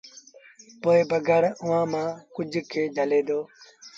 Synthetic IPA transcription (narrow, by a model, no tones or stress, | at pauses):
poːebəɡʱəɽʊʋãːmãːkʊd͡ʒʱkʰeːd͡ʒʱəleːd̪oː